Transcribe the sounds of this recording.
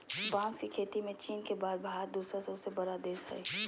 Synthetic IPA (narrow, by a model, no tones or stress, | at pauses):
bãːskikʰeːt̪imẽt͡ʃiːnkebaːd̪̚bʱaːɾd̪uːsɾaseʊsebɐɾad̪eːsə̰i